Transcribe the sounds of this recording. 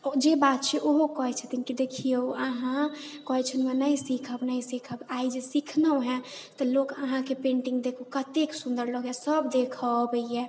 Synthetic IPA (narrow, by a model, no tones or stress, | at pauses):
ɔd͡ʒebat̪̚t͡ʃʰɛʔoɦokɔɦɛt͡ʃʰət̪inkid̪ekʰijowəɦãkɔɦɛt͡ʃʰənmenəjsikʰəbnəjsikʰəbaid͡ʒesikʰnəɦɛ̃t̪ɔlokəɦãkepẽɳʈiŋɡd̪ekʰokət̪eksund̪əɾləɡɛsəbd̪ekʰəbəiɛ